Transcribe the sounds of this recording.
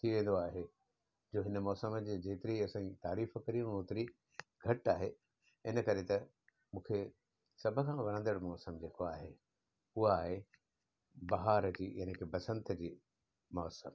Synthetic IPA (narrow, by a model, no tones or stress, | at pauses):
t̪ʰiʋẽːn̆d̪oaːɦe | d͡ʑoːɦɪnəmɔːsəməd͡ʑeːd͡ʑeːt̪ɪɾiɐsãĩt̪aːɾiːfkɐɾiũnoːt̪ɪɾi | ɡʱɐʈaːɦe | ɪnə̆kɐɾet̪ɐ | mũːkʰe | sɐbʱəkʰãːʋɐɽ̃ə̃nd̪əɽmɔːsəmd͡ʑeːkoaːɦe | ʊɦaːɦe | bɐɦaːɾd͡ʑiːjaːnekʰebɐsə̃nt̪əd͡ʑiː | mɔːsə̰m